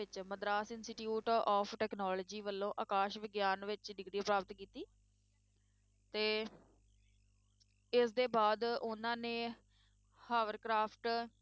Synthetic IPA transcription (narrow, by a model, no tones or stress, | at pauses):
ɪt͡ʃməd̪ɾaːsɪnsɪʈjuːʈɔːpʰʈɛːknɔːləd͡ʒiːʋəlːõːʔaːkaːʃʋɪɡjaːnʋɪt͡ʃɖɪɡɽiːpɾaːpət̪kiːt̪iː | t̪eː | ɪsd̪eːbaːd̪ʊnãːneː | haːʋəɾkɾaːpʰʈ